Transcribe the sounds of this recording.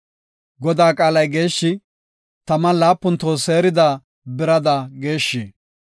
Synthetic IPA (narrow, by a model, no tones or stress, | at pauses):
ɡɔd̪aːkʼaːlɐjɡe̞ːʃːɪ | t̪ɐmɐlaːpːʊnt̪oːse̞ːɾɪd̪aː | bɪɾɐd̪ɐɡe̞ːʃːiː